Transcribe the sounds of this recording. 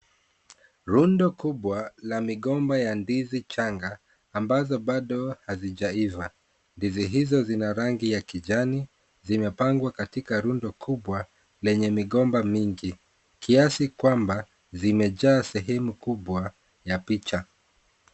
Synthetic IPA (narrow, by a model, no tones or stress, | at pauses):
ɾundɔkuɓwalamiɠɔmbajandizit͡ʃaŋɡaː | mbazɔɓaɗɔhaziʄaiva | ndiziɦizɔzinaɾaŋɡijakiʄani | zimɛpaŋɡwakatikaɾundɔkʰuɓwa | lɛɲɛmiɠɔmbamiŋɡi | kʰiasikwamba | zimɛʄaːsɛɦɛmukuɓwa | japit͡ʃa